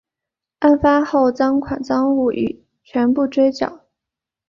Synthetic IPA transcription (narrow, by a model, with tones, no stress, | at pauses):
a˥˩nfa˥xo˥˩ʊt͡sɑ˥ŋkʰwa˨˩nt͡sɑ˥ŋu˥˩ʔy̰˨˩˦ | t͡ɕʰɥɛ˧˥npu˥˩ʈ͡ʂwe˥ɪt͡ɕjɑ̰˨˩˦